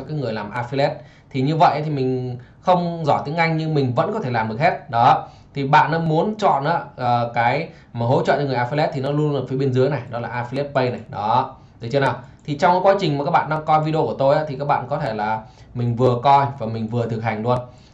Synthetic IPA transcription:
kaː˨˦ŋɨ˨˩əjlaː˨˩mʔaː˧fi˧lɛ˦˥t̚ | t̪ʰi˨˩ɲɨ˧və̰˧˨jʔə˨˦t̪i˨˩mï˨˩ŋ̟xə˧wŋ͡mzɔ˧˩jt̪i˨˦əŋʔa˧jŋɲɨ˧ŋmï˨˩ŋ̟və̰˧˥nkɔ˨˦t̪ʰe˧˩laː˨˩mɗɨ˨˩ək̚he˦˥t̚ɗɔ˨˦ | t̪ʰi˨˩ɓa̰ː˧˨nːɔ˨˦mu˨˦ənt͡ɕɔ̰˧˨nʔaː˨˦əː˨˩kaː˨˦j | maː˨˩ɦo̰˧˥jt͡ɕɔ̰˧˨nt͡ɕŋɨ˨˩əjʔaː˧fi˧lɛ˦˥t̚t̪ʰi˨nɔ˨˦lu˧ənlːfi˨˦ɓi˧ənzɨ˨˦jna˨˩jɗɔ˨˦laː˨˩ʔaː˧fi˧lɛ˦˥t̚pə˧jna˨˩jɗɔ˨˦ | ɗ̪ɨ˨˩t͡ɕə˧˦naː˨˩wt̪ʰi˨˩t͡ɕɔ˧wŋ͡mkaː˨˦kwaː˨˦t͡ɕi˨˩ŋmaː˨˩kaː˦˥ɓa̰ː˧˨nɗa˧ŋkɔ˧jvi˧ɗo˧ku˧˩ət̪o˧jʔaː˨˦t̪ʰi˨˩kaː˦˥k̚ɓa̰ː˧˨nkɔ˨˦t̪ʰe˧˩laː˨˩ | mï˨˩ŋ̟vɨ˨˩əkɔ˧jvaː˨˩mï˨˩ŋ̟vɨ˨˩ət̪ʰɨ˨˩k̚ha˨˩jŋ̟lu˧ən

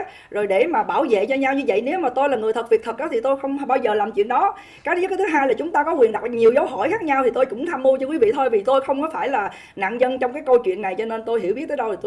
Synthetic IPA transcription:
zo˨˩jɗe˧˩maː˨˩ɓaː˧˩wzḛ˧˨t͡ɕɔ˧ɲa˧wɲɨ˧və̰˧˨jne˨˦wmaː˨˩t̪o˧jla˨˩ŋɨ˨˩əjt̪ʰə˨˩t̚vi˨˩k̚t̪ʰə˨˩k̚ʔɔː˨˦t̪ʰi˨˩t̪o˧jxə˧wŋ͡mɓaː˧wzəː˨˩laː˨˩mt͡ɕwḭ˧ənɗɔ˨˦ | kaː˨˦jəː˧˦kaː˨˦t̪ʰɨ˨˦ɦaː˧jlaː˨˩t͡ɕʊ˨˦ŋ͡mt̪aː˧kɔ˨˦kwi˨˩ənɗa˨˩t̚ɲi˨˩əwzaː˨˦wɦɔ˧˩jxaː˦˥k̚ɲa˧wt̪ʰi˨˩t̪o˧jkʊ̰˧˥ŋ͡mt̪ʰa˧mːu˧t͡ɕɔ˧kwi˨˦vḭ˧˨t̪ʰo˧jvi˨˩t̪o˧jxə˧wŋ͡mkɔ˨˦faː˧˩jlaː˨˩ | na̰ː˧˨ŋɲə˧nt͡ɕɔ˧wŋ͡mkaː˨˦jkə˧wt͡ɕwḭ˧˨ənːa˨˩jt͡ɕɔ˧ne˧nt̪o˧jɦi˧˩wɓi˦˥t̚t̪əː˨˦jɗə˧wt̪i˨˩t

